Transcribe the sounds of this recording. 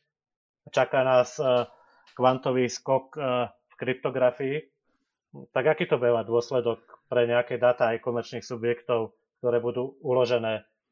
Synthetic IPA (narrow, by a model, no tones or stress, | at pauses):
t͡ʃakaːnaːs | kʋant̪ɔʋiːskɔk | fkɾip̚t̪ɔɡɾafii | t̪aɡakiːt̪ɔbujɛmad̪ʊɔslɛd̪ɔk̚pɾɛɲɛakɛːd̪aːt̪aːjkɔmɛɾt͡ʃniːxsubjɛkt̪ɔʊ | k̚t̪ɔɾɛːbud̪uːulɔʒɛnɛː